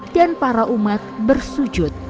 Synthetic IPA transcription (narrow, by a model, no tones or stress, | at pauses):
danpaɾaʔumat̪̚bərsud͡ʒʊt̪̚